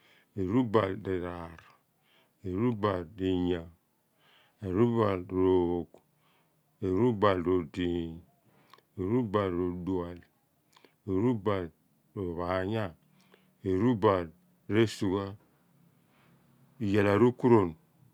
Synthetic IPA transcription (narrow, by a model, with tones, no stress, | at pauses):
e˨ɾu˦ba˨lde˨ɾa˨ɾ | e˨ɾu˦ba˨ldi˨ɲa˨ | e˨ɾu˦ba˨lɾo˨o˨k | e˨ɾu˦ba˨lɾo˨di˨ | e˨ɾu˦ba˨lɾo˨du˨a˨l | e˨ɾu˦ba˨l | ɾo˨βa˨ɲa˦˨ | e˨ɾu˦ba˨l | ɾe˦su˨ɡa˦˨ | je˨la˨ɾu˦ku˦ɾo˨n